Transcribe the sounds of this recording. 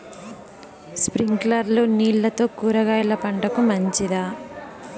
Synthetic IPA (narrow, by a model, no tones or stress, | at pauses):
spɾiŋɡlɐɾluːniːɭːɐt̪o̞ːkuːɾɐɡaːjlɐpɐɳʈɐkumɐɲt͡ʃid̪aː